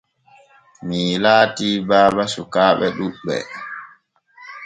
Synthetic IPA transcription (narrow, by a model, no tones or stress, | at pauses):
milaːtiːbaːbasukaːɓɛɗubɛ̰